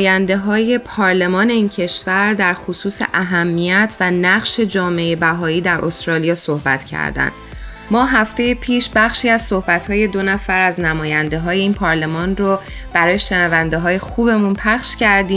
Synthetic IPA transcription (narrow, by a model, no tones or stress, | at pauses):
jænd̪e̞ɦɒːje̞pʰɒːɾle̞mɒːne̞iːncʰe̞ʃvæɾd̪æɾxosuːse̞̰ʔæɦæmːijæt̪ʰvænæʁʃe̞d͡ʒɒːme̞ebæɦɒːiːd̪æɾʔo̞st̪ɾɒːlijɒːso̞hbæ̰t̪ʰcʰæ̰ɾd̪æ̰nd̪̥ | mɒːɦæft̪e̞jepʰiːʃbæχʃiːæz̥so̞hbæt̪hɒːje̞d̪o̞næfæɾæznæmɒːjænd̪e̞ɦɒːje̞iːnpʰɒːɾle̞mɒːnro | b̥æɾɒːjeʃe̞nævænd̪eɦɒːje̞xuːbe̞munpʰæχʃcæɾd̪iːm